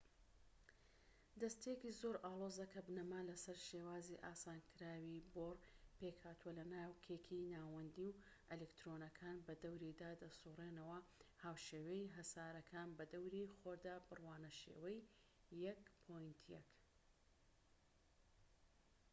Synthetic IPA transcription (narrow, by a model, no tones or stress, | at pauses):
d̪ɐst̪ekizoɾaːlˠozɐkʰɐbnɐmalɐsɐɾʃeːwaːziʔaːsaːnkʰɨɾaːwiboːɾpeːkhaːt̪uwɐlɐnaːwkʰeːkʰinaːwɐnd̪iw | elekt̪ɾoːnɐkʰaːnbɐd̪ɐwɾid̪aːd̪ɐsuːreːnɐwɐhaːwʃeːwɐiɦɐsaːɾɐkʰaːnbɐd̪ɐwɾixoɾd̪aːbɨrwaːnɐʃḛːwɐjː | ɐkpʰojnt̪ʰjɐ̰k